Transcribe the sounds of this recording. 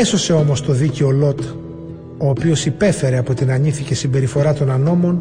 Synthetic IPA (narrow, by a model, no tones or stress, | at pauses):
eso̞se̞o̞mo̞st̪o̞ðice̞o̞lo̞t̪ | o̞ːpio̞sipe̞fe̞ɾe̞ɐpo̞t̪inɐɲiθice̞simbe̞ɾifo̞ɾɐt̪o̞nɐno̞mo̞n